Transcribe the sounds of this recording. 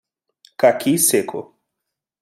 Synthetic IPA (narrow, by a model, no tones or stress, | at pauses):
kakʰisekʰʊ̰